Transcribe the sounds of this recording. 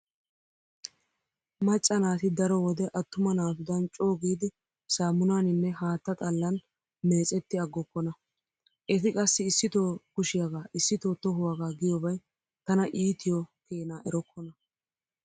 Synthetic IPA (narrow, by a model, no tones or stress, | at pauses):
mɐt͡ʃʼːɐnaːt̪ɪd̪ɐɾɔwɔd̪ɛʔɐt̪ːʊmɐnaːt̪ʊd̪ɐnt͡ʃʼo̞ːɡiːd̪ɪ | saːmʊnaːnɪnːɛhaːt̪ːɐt̪ʼɐlːɐn | me̞ːt͡sʼɛt̪ːɪɐɡːɔkːɔnɐ | ʔɛt̪ɪkʼɐsːɪːsːɪt̪oːkʊʃɪjaɡaːʔɪsːɪt̪oːt̪ɔɦʊwaːɡaːɡɪjɔbɐj | t̪ɐnɐʔiːt̪ɪjɔkeːnaːʔɛɾɔkʰːɔnɐ